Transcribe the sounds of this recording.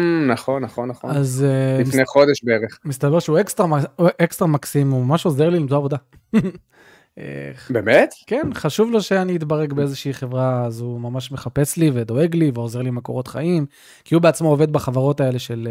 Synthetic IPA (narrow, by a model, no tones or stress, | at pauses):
naχo̞nːaχonːaχonazlifineχo̞d̪eʃbeeʁeχmist̪abeʁʃeuekst̪ʁaʔekst̪ʁamaksimumamaʃo̞zeʁlilimzoavo̞d̪a | ḛbemet̪kenχaʃuvloʃe̞aniit̪baʁeɡbeezeʃiiχe̞vʁaːzumamaʃme̞χape̞slive̞d̪o̞e̞ɡliveo̞ze̞ʁlimeko̞ʁo̞t̪χa̰im | kiubeat͡smoːve̞d̪̚baχavaʁo̞t̪ae̞le̞ʃe̞l